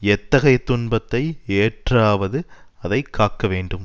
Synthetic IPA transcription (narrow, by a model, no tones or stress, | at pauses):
ɛt̪ːɐɣɐɪt̪ːʊɳbɐt̪ːɐɪeːʈraːʋɐðɯ | ɐðɐɪkʰːaːkːɐʋeːɳɖɯm